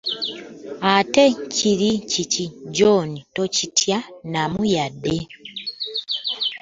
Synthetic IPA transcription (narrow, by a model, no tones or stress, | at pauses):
ateciɾiciciɟonitocitʰjanamujade